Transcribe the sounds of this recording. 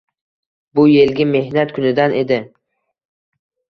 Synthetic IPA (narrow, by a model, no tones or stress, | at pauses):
bʊje̞lɡʲɪme̞hnat̪kʰʊnɪd̪anʔe̞d̪ɪ